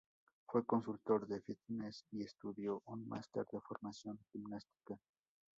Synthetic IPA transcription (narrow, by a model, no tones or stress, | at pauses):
fwe̞ko̞nsult̪o̞ɾðefit̪nesiest̪uðjo̞ʔunmʔa̰st̪eɾd̪efo̞ɾmasjo̞ŋximnast̪i̥ka